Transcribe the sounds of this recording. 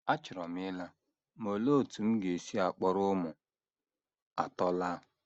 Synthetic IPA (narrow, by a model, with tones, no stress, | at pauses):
a˦t͡ʃɪ˨ɾɔ˨mɪ˦la˦ | mo˨lo˦˨tu˨m̩˦ɡe˨si˦a˨k͡pɔ˦ɾʊ˦mʊ˨ | a̰˨tɔ˦la˦